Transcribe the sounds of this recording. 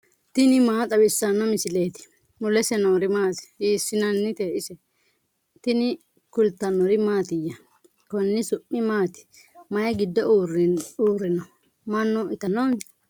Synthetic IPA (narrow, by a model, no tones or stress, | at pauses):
t̪ɪnɪmaːt̪ʼɐbɪsːɐnːɔmɪsɪleːt̪ɪ̥ | mʊlɛsɛnoːɾɪmaːt̪ɪ̥iːsːɪnɐnːɪt̪eːʔɪsɛ | t̪ɪnɪ | kʊlt̪ːɐnɔɾɪmaːt̪ɪjːɐ | kɔnːɪsʊʔːɪmaːt̪ɪ̥ | mɐjɐɡɪd̪ːɔruːrːɪnɔ | mɐnːʊɪt̪ɐnɔn